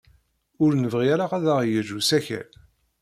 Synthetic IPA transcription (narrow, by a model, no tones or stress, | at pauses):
ʊɾnəvʁiæɾaʁæðaʁjəʒusæçæ̰l